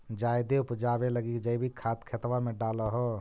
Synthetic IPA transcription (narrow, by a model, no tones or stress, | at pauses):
d͡ʒajd̪eupd͡ʒabeləɡikd͡ʒəjbʱikʰat̪kʰet̪wameɖaləɦɔ